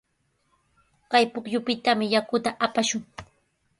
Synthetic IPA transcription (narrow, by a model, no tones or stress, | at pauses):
kajpʊkʎʊpɪt̪amɪjakʊt̪aʔapaʃʊŋ